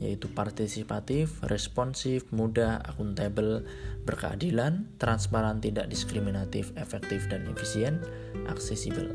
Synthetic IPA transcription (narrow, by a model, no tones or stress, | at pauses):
ja̰it̪upart̪isipat̪ɪfrʔɛspɔnsɪfmudaʔa̰kunt̪ɛbəl | bərkəa̰dilant̪ɾanspaɾant̪idaʔ̚diskɾiminat̪ɪfefɛk̚t̪ɪfdanefisiɛnt̪ | ʔa̰ksɛsibə̰l